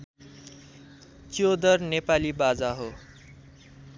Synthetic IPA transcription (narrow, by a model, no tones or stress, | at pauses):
t͡siod̪ʌrnepalibad͡zaɦo